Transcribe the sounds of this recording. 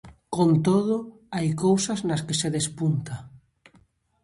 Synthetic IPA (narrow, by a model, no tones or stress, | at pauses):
kõnt̪oð̞o | ajkowsaznaskeseðespunt̪a